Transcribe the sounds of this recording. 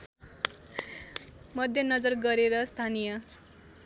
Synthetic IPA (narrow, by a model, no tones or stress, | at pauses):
mʌd̪ʱjʌnʌd͡zʌrɡʌɾeɾʌst̪ʰanijʌ